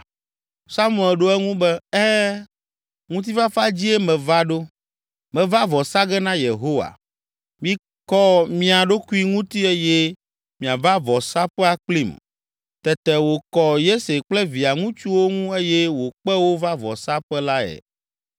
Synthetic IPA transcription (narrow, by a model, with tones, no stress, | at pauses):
sa˦mũ˨ɛ˨lɖo˦ɛ˦ŋũ˦bɛ˦ɛ˦ | ŋũ˦t̪̬i˦va˦fa˦d͡ʑi˦ɛ˦mɛ̃˨va˦ɖo˦ | mɛ̃˨va˦vɔ˨sa˦ɡɛ˦nã˦je˨ɦo˦wa̰˨ | mĩ˨˦ | kɔ˦mĩ˦a˨ɖo˦ku˦i˦ŋũ˦t̪i˦e˦jɛ˦ | mĩ˨a˨va˦vɔ˨sa˦ɸɛ˦a˨k͡pli˦˨m | t̪ɛ˨t̪ɛ˨wo˨kɔ˨je˦se˨k͡plɛ˦vi˨a˨ŋũ˦t͡ʃu˦wo˦ŋũ˦e˦jɛ˦wo˨k͡pɛ˦wo˦va˦vɔ̰˨sa˦ɸɛ˦la˦ɛ̰˨